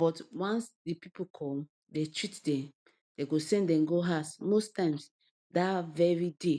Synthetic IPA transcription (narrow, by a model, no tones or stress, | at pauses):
b̥ɔtwãnsdipipokʰɔ̃m | detʰɹitdɛ̃m | d̥eɡosɛ̃ndɛ̃mɡoɦasmostãɪ̃ms | davɛɹide